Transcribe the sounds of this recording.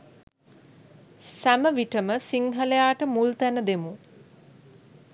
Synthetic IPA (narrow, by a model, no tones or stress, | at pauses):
sæməʋiʈəməsiŋɦəlejaːʈəmult̪ænəd̪emu